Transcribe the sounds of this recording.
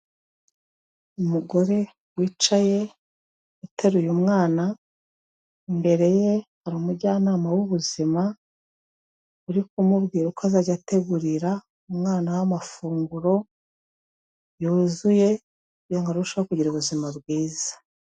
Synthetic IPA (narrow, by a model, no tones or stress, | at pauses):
umuɡo̞ɾe̞ | wiːt͡ʃaje̞ | utʰeɾujumŋaːna | imbe̞ɾe̞je̞haɾuːmuɾɟaːnaːmawuβuzima | uɾikumubɡiːɾukoazaɟate̞ɡuɾiɾa | umŋaːnawamafuːŋɡuɾo̞ | juːzuje̞ | joŋɡaɾuuʃoβɾakuɟiɾuɾuzimabɡwiːzḁ